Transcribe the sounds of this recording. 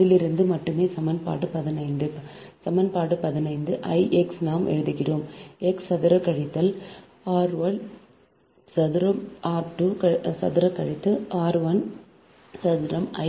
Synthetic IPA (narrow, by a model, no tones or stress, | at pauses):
ɪlɪɾɯnd̪ɯmɐʈːɯmeːsɐmɐnpa̰ːʈːɯpɐðɪnɐɪnd̪ɯ | sɐmɐnpaːʈɯpɐðɪnɐɪnd̪ɯʔɐɪʔɛksnaːmʔɛ̰ɻɯðɯɣɪroːmɛksɐðɪɾɐkːɐɻɪt̪ːɐl | aːɾʋɐɭ | sɐðɪɾɐmaːɾʈːukɐsɐ̰ðɪɾɐkɐɻɪt̪ːɐaːɾʋɐn | sɐðɪɾɐmɐ̰ɪ